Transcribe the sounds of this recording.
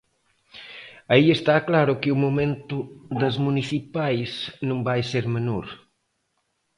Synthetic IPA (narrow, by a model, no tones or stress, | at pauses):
aiest̪aklaɾʊkɪumumẽnt̪ʊðɐzmuniθipajsnũŋbajseɾmenoɾ